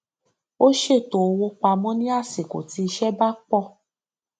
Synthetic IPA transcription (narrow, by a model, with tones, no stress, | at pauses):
o˦ʃe˦˨to˨o˧wo˧k͡pa˧mɔ̃˦nĩ˦a˦˨se˨ko̰˨ti˨˦i˧ʃɛ˦ba˦k͡pɔ˦˨